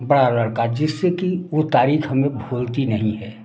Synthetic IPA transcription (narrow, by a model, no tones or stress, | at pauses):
bɐɽalɐɽkad͡ʒɪsːekiot̪aːɾiːxɦɐmẽbʱuːlt̪inɐɦĩɦɛː